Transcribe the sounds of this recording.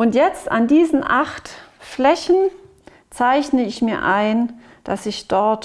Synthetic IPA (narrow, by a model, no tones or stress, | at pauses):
ʔʊntjɛt͡sta̰ndiːzn̩ʔaχtflɛçn̩ | t͡saɪçnəɪçmiːɐʔaɪn | d̥asɪçd̥ɔɐt